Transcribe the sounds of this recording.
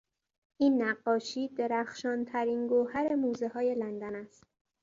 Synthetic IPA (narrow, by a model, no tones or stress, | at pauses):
ʔiːnːæɢːɒːʃiːd̪e̞ɾæxʃɒːnt̪ʰæɾiːnɡohæɾe̞muːzeɦɒːje̞lænd̪ænæst̪̚